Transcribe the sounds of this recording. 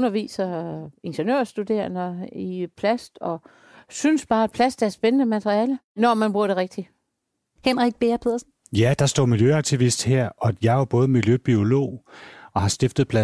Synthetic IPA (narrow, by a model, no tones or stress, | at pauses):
nɐʋḭːsɐe̝nɕenø̰ɐ̰sd̥ud̥e̝̰ɐnɐipʰlæsd̥ɒ̽ | synəsb̥ɑ̈ːæd̥̚pʰlæsd̥æɐsb̥enənəmæt͡sʰʁiɛːlənɒmænb̥ʁuɐɾ̥e̝ʁeɡ̥̚d̥i | hemʁiɡ̥̚b̥e̝ɐpʰeðˠɐsn̩ | jæd̥ɑ̈sd̥ɒ̰ːmiljøɑ̈ɡ̥̚t͡sʰiʋisd̥heɐ̰ʔɒ̽jɑ̈ɪʋɑb̥ɔ̽ːð̩ˠmiljøb̥io̝lo̝̰ːɒ̽hɑ̈sd̥efd̥ð̩ˠpʰlæ